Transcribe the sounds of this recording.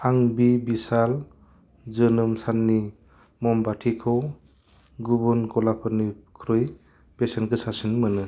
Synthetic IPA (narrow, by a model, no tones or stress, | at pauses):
aŋbibisal | zɯnɯmsanːi | mɔmbatʰikʰɯw | ɡubunkɔlapʰɯɾnikʰɾɯj | besenkʰɯsasinmɯnɯ